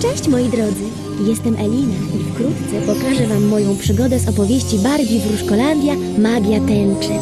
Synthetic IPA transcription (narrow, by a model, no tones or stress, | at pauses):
t͡ʂɛ̃ɕt͡ɕmɔjid̪ɾɔd̪zɘ | jɛst̪ɛmʔɛlʲinaʔifkɾut̪t̪sɛpɔkaʐɛvamːɔjɔ̃w̃pʂɘɡɔd̪ɛzɔpɔvʲjeɕt͡ɕibaɾɡʲivɾuʂkɔland̪ʲja | maɡʲjat̪ɛnt͡ʂɘ